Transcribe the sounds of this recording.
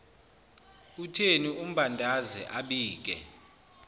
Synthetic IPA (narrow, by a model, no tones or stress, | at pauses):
utʰenium̩ɓandʱazɛ̰ʔaɓiːk̬ɛ̰